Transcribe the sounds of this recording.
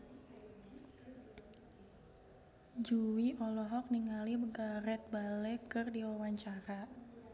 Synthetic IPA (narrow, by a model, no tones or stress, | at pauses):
d͡ʒuwiʔɔlɔɦɔk̚niŋalibəɡaɾɛt̪̚balɛkɨrdiwawaɲt͡ʃaɾa